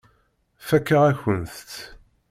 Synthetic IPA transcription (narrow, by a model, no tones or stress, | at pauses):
fækːəʁæçənθt̪